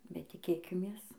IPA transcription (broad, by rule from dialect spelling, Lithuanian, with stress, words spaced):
bʲɛt tʲɪˈkʲeːkʲɪmʲeːs